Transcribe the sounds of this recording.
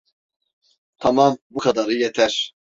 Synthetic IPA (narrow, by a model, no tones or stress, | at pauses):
t̪ʰamambukʰad̪aɾɯjɛt̪ʰɛɾ̥